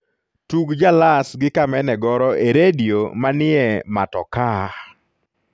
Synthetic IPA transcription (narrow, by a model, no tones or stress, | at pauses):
tuɡd͡ʒalasɡɪkamɛnɛɡɔɾɔʔeɾedijomanɪɛmatɔ̰ka